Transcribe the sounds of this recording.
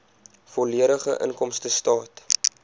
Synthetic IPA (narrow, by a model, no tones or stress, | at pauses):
fɔliəɾəχə̰ʔə̰ŋkɔmstəstɑːt